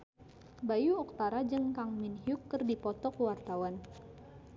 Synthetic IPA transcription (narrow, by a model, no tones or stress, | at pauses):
bajuɔk̚t̪aɾad͡ʒəŋkaŋminhjukːərdipɔt̪ɔkəwart̪awan